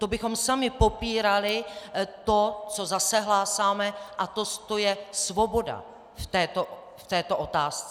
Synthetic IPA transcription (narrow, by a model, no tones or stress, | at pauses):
t̪obɪxo̞msamɪpo̞piːɾalɪt̪o̞t͡so̞zasɛɦlaːsaːmɛʔat̪ost̪ojɛsvo̞bo̞da̰ | ft̪ɛːt̪o | ft̪ɛːt̪oʔo̞t̪aːst͡sɛ